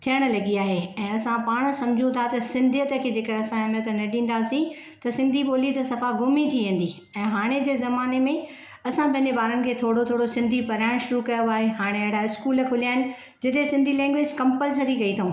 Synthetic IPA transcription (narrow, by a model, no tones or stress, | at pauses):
t̪ʰijəɽ̃̆lɐɡiaːɦeɛ̃ːɐsãpaːɽ̃̆sɐ̃md͡ʑʱiũt̪ʰat̪ɐsɪ̃nd̪ʱijət̪ə̆kʰeːd͡ʑeːkɐɐsãɐmət̪ənɐɖʱĩːn̆d̪aːsĩ | t̪ɐsɪ̃nd̪ʱiboːlit̪ɐsɐfaɡʊmit̪ʰiʋẽːn̆d̪i | ɛ̃ːɦaːɽ̃ed͡ʑeːzɐmaːnemẽ | ɐsãpɐ̃ɦɪ̃ɲd͡ʑebaːɾənɪ̆kʰeːt̪ʰoːɽot̪ʰoːɽosɪ̃nd̪ʱipɐɾaːɪɽ̃ʃʊɾukɐjoaːɦeɦaːɽ̃eɐ̃ɦɪɽaɪskuːləkʰʊlijaːɦɪnɪ̆ | d͡ʑɪt̪esɪ̃nd̪ʱilɛ̃ːŋɡʋɪd͡ʑkɐ̃mpəls̬əɾikɐit̪ʰaũ